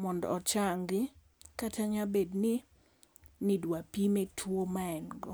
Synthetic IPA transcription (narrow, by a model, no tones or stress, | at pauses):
mɔndɔ̰ɔt͡ʃaŋɡɪ | katʰaɲabednɪ | nɪdwapimetʰwomaɛnɡɔ